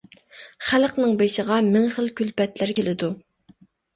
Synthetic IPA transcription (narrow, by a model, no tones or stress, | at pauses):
χælqnɨŋbeʃəʁɑmɪŋχəlkʲylpɛt̪læɾkʲelɪd̪u